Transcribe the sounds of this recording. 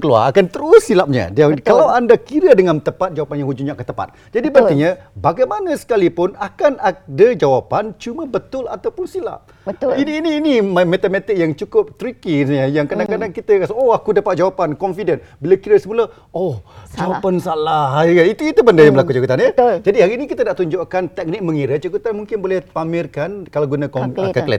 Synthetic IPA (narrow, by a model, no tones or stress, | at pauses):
kəlua̰akant̪əɾʊsːilap̚ɲa̰dakalawandakiɾədəŋant̪əpat̪̚d͡ʒawapanjãŋɦud͡ʒuɲaʔkət̪əpa̰t̪̚d͡ʒadibənt̪iɲabaɡajmanə̃sə̥kalipʊnakanak̚dəd͡ʒawapant͡ʃumə̃bət̪ʊla̰t̪awpʊnsila̰p̚əiniːniːnimmɛt̪əmɛt̪ɪk̚jaŋt͡ʃukʊp̚t̪ɾikisɲəjaŋkadaŋkadaŋkit̪əkasaoakudapat̪̚d͡ʒawapankɔnfidənbilakiɾəsəmula | ohd͡ʒawapansalaɦəit̪uit̪ubəndəjaŋmbəlakut͡ʃakut̪anjəd͡ʒadiɦhaɾiːnikit̪ənaʔt̪uɲd͡ʒoʔkant̪ɛk̚nɪk̚məŋiɾət͡ʃakut̪anmuŋkɪnbolɛhpamɪrkankalaɡunakɔmkəklɛ̰t̪̚